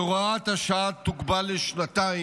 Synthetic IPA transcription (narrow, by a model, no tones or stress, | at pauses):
ʁoat̪haʃaat̪ːukbaleʃnat̪ai